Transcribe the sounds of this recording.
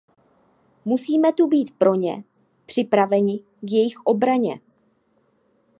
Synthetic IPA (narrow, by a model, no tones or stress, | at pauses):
musiːmɛt̪ubiːt̪pɾo̞ɲɛ̰ | pr̝̥ɪpɾavɛɲɪ | kjɛjɪxʔo̞bɾaɲɛ̰